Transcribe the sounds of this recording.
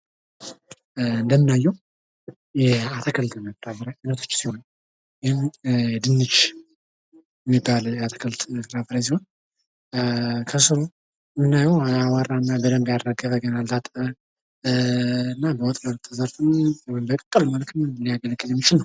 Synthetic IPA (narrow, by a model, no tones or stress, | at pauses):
ɨnd̪əmːɨnajːɛw | jɛat̪ʰəkʰəlt̪ʼməfɨɾafɨɾajanət̪ʰo̞̥t͡ʃːsiho̞n | jɪhɪmjɛd̪ɨnːɨt͡ʃ | jɛmːibːaljɛat̪ʰə̥kʰəlt̪ʼsɨɾafɨɾas̬iho̞n | kʰəsɨɾo | ɨmɨnːajɛwawaɾanːabəd̪əmbjaɾɾaɡəβəɡənalt̪ʰat̪ʼə | ɨnːabəwɔt̪ʼməlt̪ʰːəzəɾfɨnbəkʼəkʼːəlmalət̪ʰɨnlijaɡəlɡːɨljɛmːit͡ʃɪlnəw